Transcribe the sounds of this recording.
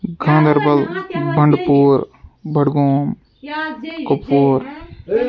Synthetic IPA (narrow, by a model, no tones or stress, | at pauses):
ɡʱãːnd̪ɐɾbɐlbʱɐɳɖpuːɾbʱɐɽɡoːm | kopːoːɾ